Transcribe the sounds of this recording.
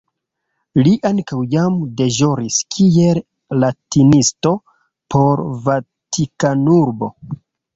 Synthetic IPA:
liʔankawjamde̞ʒo̞ɾiskʰiel | latinisto̞ | pʰo̞ɾva | tʰikanuɾbo̞

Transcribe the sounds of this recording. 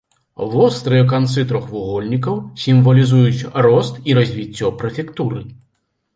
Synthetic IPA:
vɔst̪ɾɨjɛk̬ant̪sɨt̪ɾɔxvuɣɔlʲnʲik̬ɐwsʲimvɐlʲizujut͡sʲrɔst̪iɾɐzʲvʲit͡sʲːɔpɾɐfʲɛkt̪uɾɨ

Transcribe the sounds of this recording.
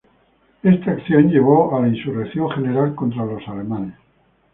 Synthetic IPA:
est̪aaːkθjõ̞nʎe̞ɣ̞oalainsurekθjo̞ŋχe̞ne̞ɾalko̞nt̪ɾalo̞sale̞mãnes

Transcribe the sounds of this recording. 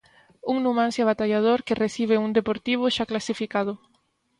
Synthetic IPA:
uŋnumãnsjaβat̪aʎaðoɾkɪresiβ̞ɪuŋd̪epoɾt̪iβ̞ʊʃaklasifikað̞ʊ

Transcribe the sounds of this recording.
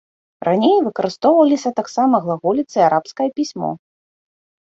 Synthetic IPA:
rʔanʲejvɨkɐɾɨst̪ɔwvɐlʲisʲɐt̪aksamɐɣlˠaɣulʲit̪sɨjaɾapskɐjɐpʲisʲmɔ̰

